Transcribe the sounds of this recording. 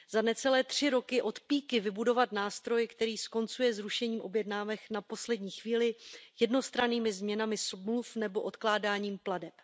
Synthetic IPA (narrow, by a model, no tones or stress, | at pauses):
z̥anɛt͡sɛlɛːt̪r̝̥ɪɾo̞kɪʔo̞t̪piːkɪvɪbudo̞vat̪naːst̪ɾo̞jɪkt̪ɛɾiːsko̞nt͡sujɛzɾuʃɛɲiːmʔo̞bjɛdnaːvɛknapo̞slɛdɲiːxviːlɪjɛdno̞st̪ɾaniːmɪzmɲɛnamɪsmlufnɛbo̞ʔo̞t̪klaːdaːɲiːmpladɛp